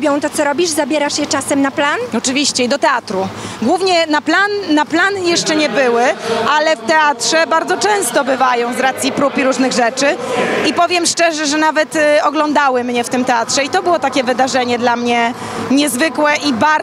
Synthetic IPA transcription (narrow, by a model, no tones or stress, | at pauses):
bʲjɔ̃w̃t̪ɔt̪sɔɾɔbʲiʐzabʲjɛɾaʂjɛt͡ʂasɛmnaplanɔt͡ʂɘvʲiɕt͡ɕɛid̪ɔt̪ɛat̪ɾuɡwuvɲɛnaplanːaplanjɛʂt͡ʂɛɲɛbɘwɘʔalɛft̪ɛat̪ʂɛbaɾd̪zɔt͡ʂɛ̃w̃st̪ɔbɘvajɔ̃w̃zɾat̪sʲjipɾupiɾuʐnɘɣʐɛt͡ʂɘipɔvʲjɛmʂt͡ʂɛʐɛʐɛnavɛt̪ɔɡlɔnd̪awɘmɲɛft̪ɘmt̪ɛatʂɛit̪ɔbɘwɔt̪akʲɛvɘd̪aʐɛɲɛd̪lamɲɛ | ɲɛzvɘkwɛʔiba